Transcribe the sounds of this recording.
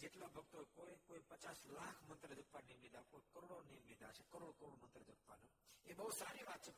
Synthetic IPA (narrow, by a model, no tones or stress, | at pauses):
d͡ʒeʈlabʱəɡt̪oekokojpət͡ʃaslakʰmənt̪ɾəd͡ʒəkʰʋanemed̪akojkəɾoɽonemed̪at͡ʃʰekəɾoɽkəɾoɽomə̃nt̪ɾəd͡ʒək̚ʰʋano | ebəɦusaɾiʋat̪̚t͡ʃʰe